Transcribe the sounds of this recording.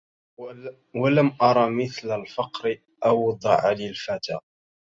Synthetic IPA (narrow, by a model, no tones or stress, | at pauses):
walamʔɑɾˤɑmɪθlalfɑqɾɪ | ʔɑwd̪ˤɑʕalilfat̪aːʔ